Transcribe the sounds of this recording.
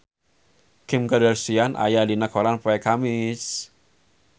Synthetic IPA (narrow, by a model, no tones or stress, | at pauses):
kɪmkədərsianʔa̰jadinəkʰoɾanpoɛkamɪs